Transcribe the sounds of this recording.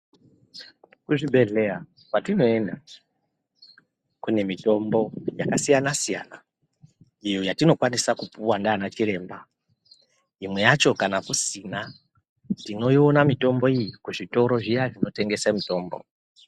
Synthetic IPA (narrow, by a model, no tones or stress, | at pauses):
kuʐibʱe̞ɮe̞a | kwatino̞e̞nda | kune̞mito̞mbo̞jakasijanasija̰na | ijo̞jatino̞kwanisakupuwandaːnat͡ʃiɾe̞ːmba | imwe̞jat͡ʃo̞kanakusina | tino̞jionamito̞mbo̞ijikuʐito̞ɾo̞ʐijaʐino̞te̞ŋɡe̞samito̞ːmbo̞̰